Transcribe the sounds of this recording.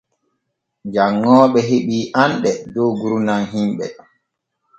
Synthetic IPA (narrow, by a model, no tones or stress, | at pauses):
d͡ʒaŋːɔːɓɛɦeɓiːʔanɗɛdɔɡuɾunanɦimɓɛ̰